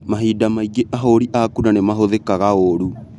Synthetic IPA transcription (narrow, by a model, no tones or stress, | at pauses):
maɦiːdamaiɡeʔaɦoɾiʔakunanemaɦoðekaɣaoɾu